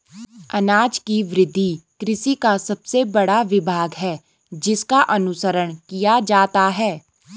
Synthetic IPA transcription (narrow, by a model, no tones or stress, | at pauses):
ɐnaːd͡ʒkiʋɾɪd̪ʱːikɾɪsikasɐbsebɐɽaʋɪbʱaːɡɦɛː | d͡ʒɪskaʔɐnʊsəɾəɽ̃kijad͡ʒaːt̪aɦɛː